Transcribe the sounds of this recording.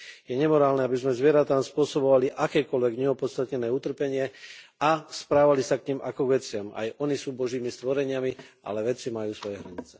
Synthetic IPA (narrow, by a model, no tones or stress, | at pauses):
jɛɲɛmɔɾaːlnɛabizmɛzʋɪɛɾat̪aːmspʊɔsɔbɔʋaliʔakɛːkɔlʋɛɡɲɛɔpɔt̪st̪at̪ɲɛnɛːut̪r̩pɛɲɪɛaspɾaːʋalisakɲimakɔɡʋɛt͡sɪama̰jɔnisuːbɔʒiːmist̪ʋɔɾɛɲɪamiʔa̰lɛʋɛt͡simajuːsʋɔjɛɦɾa̰ɲit͡sɛ̥